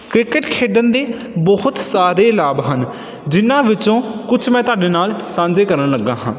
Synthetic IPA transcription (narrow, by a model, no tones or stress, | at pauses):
kɾɪkəʈkʰeːɖənd̪eːbɔɦʊt̪saːɾeːlaːbɦən | d͡ʒɪnːãːʋɪt͡ʃõːkʊt͡ʃʰmɛ̃ːt̪ʊaːɖeːnaːlsãːɲd͡ʒeːkəɾənləɡːãːɦãː